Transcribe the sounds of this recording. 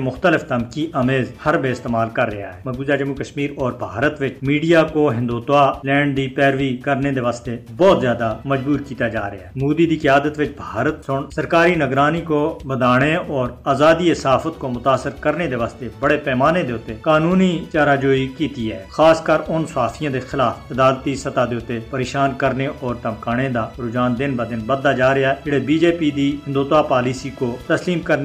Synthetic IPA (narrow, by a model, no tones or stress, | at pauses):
mʊxt̪əlɪft̪əmkiʔəmeːzhəɾbeːɪst̪eːmaːlkəɾːɪɦa̰ːɦɛːməɡuːd͡ʒaːd͡ʒəmukəʃmiːɾɔːɾbʱaːɾət̪ʋɪt͡ʃmiːɖijakoɦɪ̃nd̪uːt̪aːlɛ̃ːɳɖ̚d̪iːpɛːɾʋiːkəɾned̪eːʋaːst̪ebɔːt̪zjaːd̪aməd͡ʒbuːɾkiːt̪ad͡ʒa̰ːɾɪ̰ja̰ɦmuːd̪iːd̪iːkɪjaːd̪ət̪ʋɪt͡ʃbʱaːɾət̪sʊɳsəɾkaːɾiːnəɡɾaːniːkobəd̪aːɽ̃eɔːɾaːzaːd̪iːɪsaːfʰət̪komʊt̪aːsəɾkəɾned̪eːʋaːst̪ebəɽeːpɛːmaːned̪eːʊt̪ːekaːnuːniːt͡ʃaːɾaːd͡ʒoːikiːt̪iːɦɛːxaːskaɾʊnsʊɦaːfʰijãːd̪eːxɪlaːfɪd̪aːlt̪isət̪aːd̪eːʊt̪ːepəɾeːʃaːnkəɾneʔɔːɾt̪əmkaːɽ̃ed̪aːɾʊd͡ʒaːnd̪ɪnb̪aːd̪ɪnbəd̪aːd͡ʒaːɾɪaɛd͡ʒɪɽebiːd͡ʒeːpiːd̪iːɦɪnd̪uːt̪aːpaːliːsiːkot̪əsliːmkəɾn